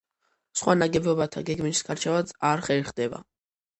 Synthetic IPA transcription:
sχwanaɡɛbɔbat̪ʰa̰ɡɛɡmiisɡʰaɾt͡ʃʰɛvad̪saɾχɛlχd̪ɛba̰

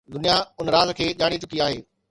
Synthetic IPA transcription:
d̪ʊnijaʊnəɾaːzkʰeːʄaːɽ̃it͡ɕʊkiaːɦeː

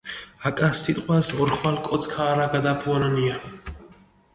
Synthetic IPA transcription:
akʼasːit̪ʼqʼwasɔɾχwalkʼɔt̪sʰkʰaːɾaɡad̪apʰuanania

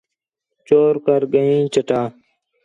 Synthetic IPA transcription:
t͡ʃoːɾkəɾɡəĩːt͡ʃəʈaː

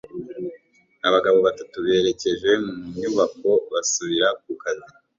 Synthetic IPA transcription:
aβaɡaβo̞βatatuβe̞ːɾe̞ce̞ʒe̞muɲuβako̞βasuβiɾak̚ukazi

